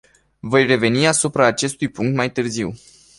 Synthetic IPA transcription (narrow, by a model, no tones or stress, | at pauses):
vo̞jre̞ve̞niasupɾaːt͡ʃe̞st̪ujpuŋk̚t̪majt̪ɨrziw